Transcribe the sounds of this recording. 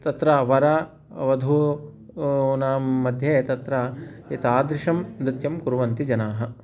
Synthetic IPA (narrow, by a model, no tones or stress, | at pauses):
t̪ɐt̪ɾaːʋɐɾaː | ʋɐd̪ʱu | naːmːɐd̪ʱjeːt̪ɐt̪ɾait̪aːd̪ɾɪʃɐmd̪ɪt̪jɐmkuɾʋɐnt̪id͡ʒɐnaːɦɐ̆